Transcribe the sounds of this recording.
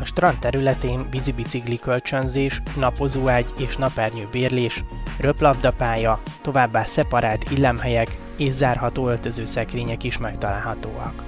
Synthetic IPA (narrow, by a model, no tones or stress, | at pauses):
ɒʃt̪rɒnt̪ːɛɾylɛt̪eːnvizibit̪siklikølt͡ʃønzeːʃnɒpo̞zuːaːɟeːʃnɒpɛrɲøːbeːrleːʃrø̞plɒbd̪ɒpaːjɒt̪o̞vaːbːaːsɛpɒɾaːlt̪ilːɛmɦɛjɛk | eːʒzaːrɦɒt̪oːølt̪ø̞zøːsɛkreːɲɛkiʃmɛkt̪ɒla̰ːlɦɒt̪oːɒ̰k